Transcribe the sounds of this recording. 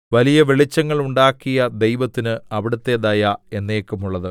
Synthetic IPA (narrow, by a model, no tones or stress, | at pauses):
ʋɐlijɐʋeɭit͡ɕːɐŋːɐɭuɳɖaːkːijɐd̪e̞jʋɐt̪ːinɨɐʋiɽɐt̪ːe̞d̪ɐjae̞nːeːkːɐmuɭːɐðɨ